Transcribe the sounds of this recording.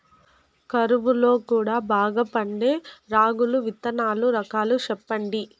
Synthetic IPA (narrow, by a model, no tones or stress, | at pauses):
kɐɾuʋulo̞ːkuːɽaːbʱaːɡɐpɐɳɖe̞ːɾaːɡuluʋit̪ːɐnaːluɾɐkaːlut͡ʃɛpːɐɳɖi